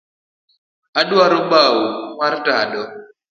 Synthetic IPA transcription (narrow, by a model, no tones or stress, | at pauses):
aɗaɾɔɓawuŋartaɗɔ